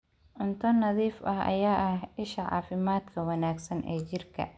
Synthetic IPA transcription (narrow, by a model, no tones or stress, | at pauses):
ʔʊnt̪ʰɔnɐðiːfɐhʔɐ̰jaːʔɐhɪʃɐʕɑ̰ːfɪmaːd̪kʰɐwɑnaːɡsɐnʔɛ̰ːt͡ʃɪrkʰɐ̰